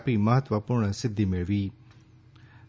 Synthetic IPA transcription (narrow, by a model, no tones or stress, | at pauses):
piməɦət̪ʋəpʊɾɳsɪd̪ʱːimẽʋiː